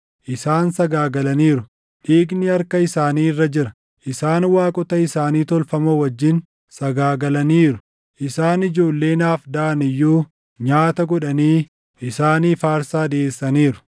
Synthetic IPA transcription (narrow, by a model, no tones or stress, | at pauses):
ʔɪsaːnsɐɡaːɡɐlɐniːɾʊ | ᶑiːɡnɪɐɾkɐɪsaːniːɪrːɐd͡ʒɪɾɐ | ʔɪsaːnwaːkʼɔt̪ɐɪsaːniːt̪ɔlfɐmowɐd͡ʒːɪn | sɐɡaːɡɐlɐniːɾʊ̥ | ʔɪsaːnɪd͡ʒoːlːe̞ːnaːfd̪aːnɪjːuː | ɲaːt̪ɐɡɔᶑɐniː | ʔɪsaːniːfaːɾsaːd̪ɪeːsːɐniːɾʊ̥